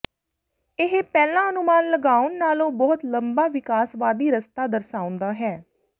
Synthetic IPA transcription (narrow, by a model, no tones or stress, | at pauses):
ɪɦpɛːlãːənʊmaːnləɡaːʊnːaːlõːbɔːt̪ləmbaːʋɪkaːsʋaːd̪iːɾəst̪aːd̪əɾsaːʊ̃nd̪aːɦɛː